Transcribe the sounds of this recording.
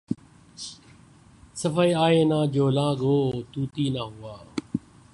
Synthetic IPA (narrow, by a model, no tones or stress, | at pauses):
səfəiaːeːnãːd͡ʒoːlãːɠoːt̪uːt̪iːnaːɦʊaː